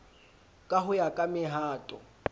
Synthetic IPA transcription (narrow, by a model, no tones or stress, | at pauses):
kʼaɦʊjakʼamɪɦaːtʼɔ̰